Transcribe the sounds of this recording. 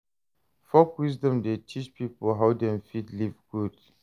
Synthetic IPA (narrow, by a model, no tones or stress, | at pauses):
fɔkwisdɔ̃mdetʰit͡ʃpipəlɦawdɛ̃mfitlivɡud